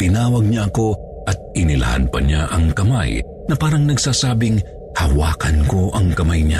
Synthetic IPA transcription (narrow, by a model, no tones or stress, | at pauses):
t̪ɪnaːwɐɡ̚ɲaʔɐko̞ | ʔɐt̪̚ɪnɪlɐ̰ha̰npɐ̰ɲaʔɐŋkɐma̰j | nɐpaːɾɐŋnɐɡsaːsaːbɪŋ | hɐwaːkɐnko̞ʔɐŋkɐmajɲa